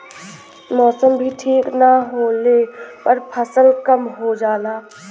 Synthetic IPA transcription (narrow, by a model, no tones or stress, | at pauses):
mɔːsəmbʱiʈʰiːknaɦoːlepɐɾpʰəsəlkəmɦod͡ʒaːlaː